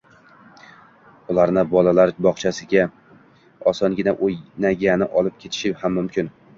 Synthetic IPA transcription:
ʊlˠaɾnɪbɒlalaɾbɒχt͡ʃʰasɪɡʲa | ɒsɒnɡʲɪnaʔojnaɡʲanɪ̰ʔɒlˠɪp̚kʲʰe̞t̪ʰɪ̥ʃɪhamːʊmkʲʰɪn

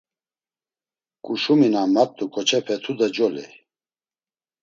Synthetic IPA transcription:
kʼuʃuminamat̪ʼːukʼɔt͡ʃʰɛpʰɛt̪ʰud̪ad͡ʒɔlḭ

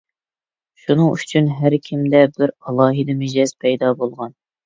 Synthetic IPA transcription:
ʃunɨŋyt͡ʃʰynɦæɾkʲʰimd̪ɛbɪɾɑlˠɑːɦid̪ɨmɪd͡ʒɛz̥pʰɛjd̪ɑbolˠʁɑn

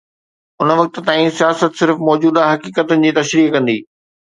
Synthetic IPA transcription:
ʊnə̆ʋɐk̚t̪̆t̪ãːĩsijaːsət̪sɪɾfmɔːd͡ʑuːd̪aɦɐkiːkət̪ʊnɪ̆d͡ʑiːt̪ɐʃɾiːɦkɐ̃nd̪iː

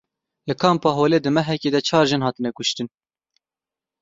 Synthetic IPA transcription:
lɨkʰɑːmpɑːɦoːleːd̪ɨmɛɦɛkʲeːd̪ɛt͡ʃʰɑːɾʒɨnɦɑːt̪ɨnɛkʊʃt̪ɨn

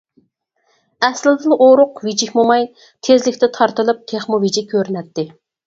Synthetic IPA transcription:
ɛslɪd̪ɨnʔoɾʊqvid͡ʒikʲmomɑj | t̪ʰezlɪkʲt̪ɪt̪ʰɑɾt̪ɨlˠɨp̚k̪ʲʰeχmuvid͡ʒikʲʰːøɾnɛt̪ːɪ

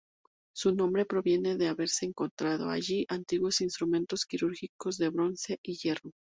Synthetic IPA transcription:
sunõ̞mbɾe̞pɾo̞βje̞ne̞ðe̞aβe̞ɾse̞ːŋko̞nt̪ɾað̞o̞̰a̰ʝiʔant̪iɣwo̞sinst̪ɾumẽ̞nt̪o̞skiɾuɾxiko̞zðe̞βɾo̞nse̞ʔiʝe̞ro

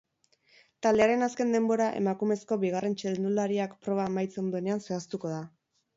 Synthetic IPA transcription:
t̪ald̪eaɾe̞naske̞nd̪e̞mbo̞ɾaʔe̞̰makume̞sko̞βiɣ̞are̞nt͡ʃeðend̪ulaɾiakpɾo̞β̞amajt͡send̪o̞ene̞ansoast̪uko̞ð̞a

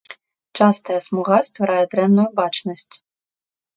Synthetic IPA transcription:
t͡ʂast̪ɐjɐsmuɣast̪vɐɾajɛd̪ɾɛnːujubat͡ʂnɐsʲt͡sʲ

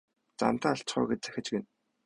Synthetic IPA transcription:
t͡sa̰nt̪aːaɬt͡ɕχɔ̰ːɡet͡ɕt͡sæ̥xʲɪ̆t͡ɕpen

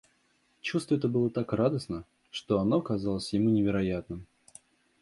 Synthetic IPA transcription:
t͡ɕust̪vəɛt̪əbɨlˠət̪akrad̪əsnə | ʂt̪o̞ɐnoɐkɐzalˠəsʲjɪmunʲɪvʲɪɾɐjat̪nɨm

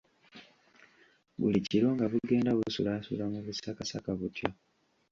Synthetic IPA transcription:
βṵliciɾo̞ŋɡaβuɡe̞ːndaβuusulasṵlamuβusakasakaβutjo

